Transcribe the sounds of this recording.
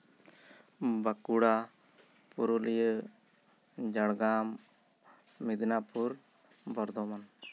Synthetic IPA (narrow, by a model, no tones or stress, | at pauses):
bakuɽa | puɾulijə | d͡ʒaɽɡamː | id̪napuɾ | bɔɾd̪ɔman